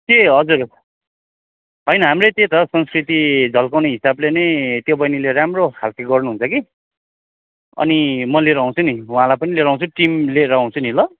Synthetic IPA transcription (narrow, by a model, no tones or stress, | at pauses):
t̪eɦʌd͡zur | ɦʌjnʌɦamret̪et̪ʌsʌnskrit̪id͡zʱʌlkawneɦisablenʌjt̪jobʌjnileɾamrohalkeɡʌrnuɦunt͡sʰʌki | ʌ̰nimʌleɾʌɦũt͡sʰuniw̃ãlajpʌnileɾʌɦw̃t͡sʰuʈimleɾʌɦũt͡sʰunilʌ